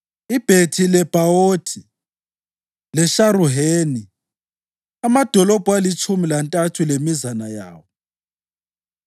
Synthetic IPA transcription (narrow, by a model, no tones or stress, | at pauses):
ib̥ʱetʰilɛb̥ʱaotʰi | lɛʃaɾuɦeːni | amad̥ʱɔlɔb̥ʱwalit͡ʃʰʼumilantʼatʰulemizanaja̰ːwɔ